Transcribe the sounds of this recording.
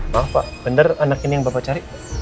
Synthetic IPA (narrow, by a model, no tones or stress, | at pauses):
mapa̰ʔb̥əndəranakinijaŋbapat͡ʃaɾiʔ